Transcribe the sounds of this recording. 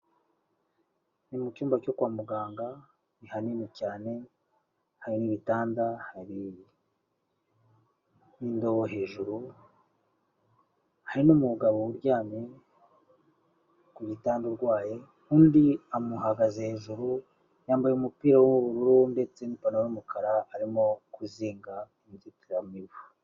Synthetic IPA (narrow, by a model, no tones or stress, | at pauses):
nimucuːmbaco̞kwaːmuɡaːŋɡa | nihaninicaːne̞ | haɾiniβitaːndahaɾi | indo̞woɦe̞ːʒuɾu | haɾinumuɡaβowuɾɟaːme | kuβitaːnduɾɡwaːje | kuːndiamuhaɡazehe̞ːʒuɾu | jaːmbajeumupiːɾawumuβuɾuɾunde̞t͡se̞nipanojumukʰaɾaːɾimo̞kuziːŋɡa | imizitijamiβu